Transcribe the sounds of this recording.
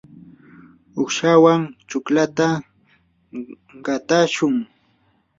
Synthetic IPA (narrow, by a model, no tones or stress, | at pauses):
ʊkʃawaŋt͡ʃʊklat̪a | ɢat̪aʃʊŋ